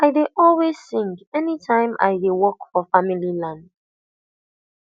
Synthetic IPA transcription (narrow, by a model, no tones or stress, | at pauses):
aɪdeʔɔlˠwez̥sɪ̃ŋɡɛnitʰãɪ̃mʔa̰ɪdewɔkfɔfamililãnd